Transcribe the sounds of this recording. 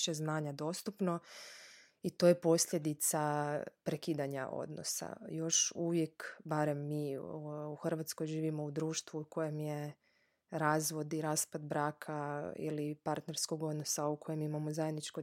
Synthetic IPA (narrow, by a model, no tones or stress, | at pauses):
ʃeznaːɲad̪o̞ːst̪upno̞ | it̪o̞jepo̞sʎʲe̞d̪it̪sapɾekiːd̪aɲaʔo̞̰d̪no̰sa̰jo̞ʃuʋjekbaɾemːiːuxr̩ʋat̪sko̞jʒiːʋimo̞ud̪ɾuːʃt̪ʋuuko̞je̞mje | ɾaːzʋo̞d̪iɾaːspad̪bɾaːkʰaḭlipaɾt̪ne̞ɾskoɡo̞d̪no̞sauko̞je̞mimamozajed̪nit͡ʃko